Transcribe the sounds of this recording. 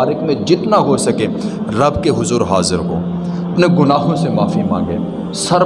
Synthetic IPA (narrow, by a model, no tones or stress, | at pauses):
ɾɪkmẽd͡ʒɪt̪naɦosɐkẽ | ɾɐbkeɦʊzuːɾɦaːzɪɾɦo̰ː | ɐpneɡʊnaːɦõsemaːfimã̰ːŋɡḛː | sɐɾ